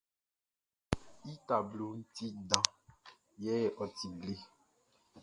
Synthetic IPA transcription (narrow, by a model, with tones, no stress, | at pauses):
i˦ta˨blo˨n̩˦ti˦dã˦ | jɛ˦ɛ˨ʔɔ˨ti˨ɡle˦